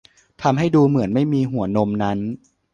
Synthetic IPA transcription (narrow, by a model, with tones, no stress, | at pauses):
t̪ʰa˧mɦa˥˩jduː˧mɯ˩˦ənma˥˩jmiː˧ɦu˩˦ɐno˧mna˦˥n